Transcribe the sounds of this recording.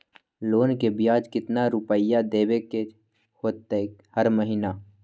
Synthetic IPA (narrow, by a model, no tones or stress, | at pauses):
loːnkebjaːd͡ʒkɪt̪naɾupəjad̪eːbeke | hoːt̪ːehəɾməɦina